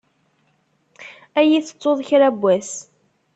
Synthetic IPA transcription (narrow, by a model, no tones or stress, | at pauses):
æjiθə̥t͡sːoðˤçɾæbːæs